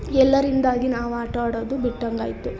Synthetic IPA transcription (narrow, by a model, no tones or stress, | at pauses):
ɛlːɐɾind̪aːɡinaːʋaːʈaːɽoːd̪ubiʈːɐŋɡaːjt̪u